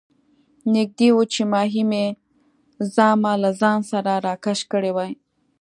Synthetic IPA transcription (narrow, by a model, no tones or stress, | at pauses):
nɪk̚d̪ewut͡ʃemɑɦime | zɑmalazɑnsaɾaɾɑkaʃkəɽewaj